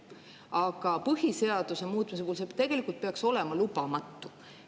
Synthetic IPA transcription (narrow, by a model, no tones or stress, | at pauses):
ɑɡ̥ɑpɤɦise̞ɑd̪̥use̞muːt̪ːˑmis̬epuulset̪e̞ɡ̥e̞likːˑult̪̚pe̞ɑkso̞le̞mɑlubɑmɑt̪ːu